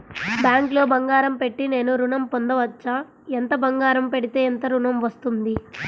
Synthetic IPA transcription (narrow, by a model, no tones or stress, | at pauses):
bjaːŋklo̞ːbɐŋɡaːɾɐmpe̞ʈːine̞ːnuɾuɳɐmpond̪ɐʋɐt͡ʃːa | ent̪ɐbɐŋɡaːɾɐmpe̞ɽit̪e̞ːent̪ɐɾuɳɐmʋɐst̪und̪i